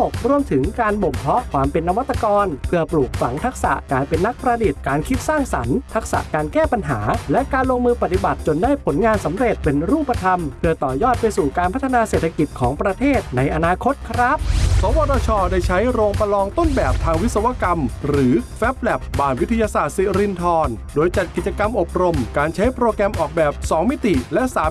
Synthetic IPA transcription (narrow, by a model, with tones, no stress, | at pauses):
o˨˩k̚ɾu˧əmt̪ʰɯ˩˦ŋkaː˧nbo˨˩mpʰɔ˦˥kʰwaː˧mpe˧nːa˧wa˦˥t̪ːa˧kɔː˧npʰɯ˥˩ɐpluː˨˩k̚fa˩˦ŋt̪ʰa˦˥k̚sa̰˨˩ʔkaː˧jpe˧nːa˦˥k̚pɾaː˧di˨˩t̪̚kaː˧nkʰi˦˥t̪̚saː˥˩ŋsa˩˦nt̪ʰa˦˥k̚sa̰˨˩ʔkaː˧nkɛː˥˩pa˧nɦaː˩˦lɛ˦˥kaː˧nloː˧ŋmɯː˧pa˨t̪ːi˨˩ba˨˩t̪̚t͡ɕo˧ndaː˥˩jpʰo˩˦nŋaː˧nsa˩˦mɾe˨˩t̪̚pe˧nɾuː˥˩pːa˧t̪ʰa˧mpʰɯ˥˩ɐt̪ɔː˨˩jɔː˥˩t̪̚pa˧jsuː˨˩kaː˧npʰa˦˥t̪ʰːa˧naː˧seː˨˩t̪ʰːa˧ki˨˩t̪̚kʰɔː˩˦ŋpɾa˧t̪ʰeː˥˩t̪̚na˧jʔa˧naː˧kʰo˦˥t̪̚kʰɾa˦˥p̚sɔː˨˦wɔː˧tɾɔː˧t͡ɕʰɔː˧daː˥˩jt͡ɕʰa˦˥jɾoː˧ŋpa˧lɔː˧ŋt̪o˥˩nbɛː˨˩p̚t̪ʰaː˧ŋwi˦˥t̪sa˧wa˧˥ka˧mɾɯː˩˦fɛ˦˥p̚lɛ˨˩p̚baː˨˩ŋwi˦˥t̪ʰa˧jaː˧saː˨˩t̪̚si˨˩ɾi˧nt̪ʰɔː˧n | doː˧jt͡ɕa˨˩t̪̚ki˨˩t͡ɕa˧ka˧mʔo˨˩p̚ɾo˧mkaː˧nt͡ɕʰa˦˥jpɾoː˧kɛː˧mʔɔː˨˩k̚bɛː˨˩p̚sɔː˩˦ŋmi˦˥t̪i˨˩lɛ˦˥ʔsaː˩˦